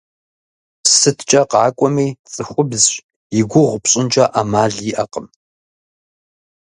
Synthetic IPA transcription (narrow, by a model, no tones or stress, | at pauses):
sɨtʰt͡ʃʼɐqɑːkʷʼɔmiːt͡sʼɨxʷʊbz | jɪɡʷʊʁʷpɕʼɪnt͡ʃʼɐʔamaːɮjiʔɐqəm